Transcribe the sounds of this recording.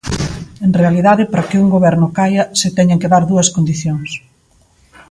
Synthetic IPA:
eŋrealiðaðɪpaɾɐkɪuŋɡoβ̞ɛɾnʊkajɐsɪt̪ɛɲaŋkeðaɾðuɐskond̪iθjoŋs

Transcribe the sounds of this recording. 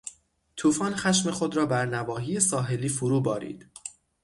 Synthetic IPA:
t̪ʰuːfɒːnxæʃme̞xod̪ɾɒːbæɾnævɒːɦiːjesɒːɦe̞liːfuɾuːbɒːɾḭːd̪̥

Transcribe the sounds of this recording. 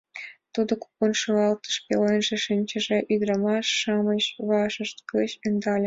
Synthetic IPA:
t̪ud̪ŏku̥ponʃoɣɑlt̪ə̥̆ʃpʲelenʒĕʃinʲt͡ɕə̆ʒeʔyd̪rɑmɑʃːɑməɕβɑʃə̆ʃt̪kɤɕend̪ɑlʲĕ

